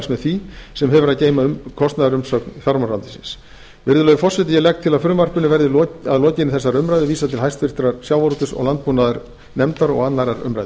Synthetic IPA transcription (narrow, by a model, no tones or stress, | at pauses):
smɛðθisɛmɦɛvʏɾaðceːjmaʏmkʰɔst̪naðaɾʏmsœːknθjaɾmaɾant̪ɪ̥sɪ̰ns | vɪɾðʏlœɥɣʏfɔr̥sɛt̪ɪjɛlɛk̚t̪ʰːɪlaðfʏɾʏmvar̥pʏnɪvɛɾðɪlɔaðlɔːcɪnɪθɛsːaɾʏmɾajðɪviːsat̪ʰɪlɦajst̪fɪr̥t̪ɾaɾsjawvaɾt̪ʏsɔ̰ɣlant̪̚punaðaɾ | nɛmt̪aɾɔ̰ɣat̪najɾaɾʏ̰mɾajðɪ